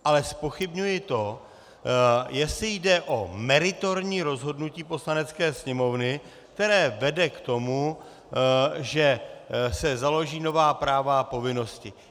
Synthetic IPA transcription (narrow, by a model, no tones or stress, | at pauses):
ʔalɛspo̞xɪbɲujɪt̪o̞ | jɛsɪjdɛʔo̞mɛɾɪt̪o̞ɾɲiːɾo̞zɦo̞dnuciːpo̞slanɛt͡skɛːsɲɛmo̞vnɪ | k̚t̪ɛɾɛːvɛdɛkt̪o̞mu | ʒɛsɛzalo̞ʒiːno̞vaːpɾaːvapo̞vɪno̞scɪ